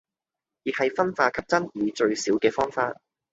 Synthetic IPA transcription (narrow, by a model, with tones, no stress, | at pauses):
jiː˨k̚hɐ˨jfɐ˥nfaː˧kʰɐ˨p̚t͡sɐ˥njiː˨˧t͡ʃɵ˧ɥsiː˨˥wkɛː˧fɔː˥ŋfaː˧t̚